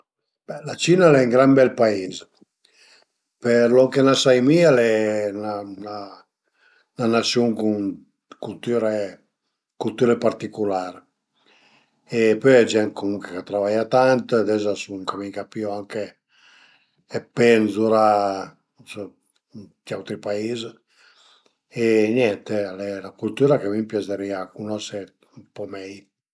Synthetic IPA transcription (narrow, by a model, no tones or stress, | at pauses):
b̥ɛlat͡ʃinalɛŋɡɾambɛlpaiz | peɾlokenasajmialɛnana | nanasjuŋkun | kult̪yɾe | kult̪uɾepaɾt̪ikulaɾ | epøjad͡ʒɛntkomuŋkekat̪ːɾavajat̪ant̪d̪ɛzasuŋkamikapiɔaŋke | penzuɾa | sɔ | d̪awt̪ɾipaiz | enjɛnt̪ealɛlakult̪uːɾakemimpjaseɾiakunɔse | umpɔmɛj